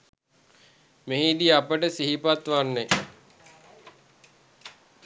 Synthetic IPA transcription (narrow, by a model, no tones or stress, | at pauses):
meɦid̪iapəʈəsiɦipat̪ʋanːe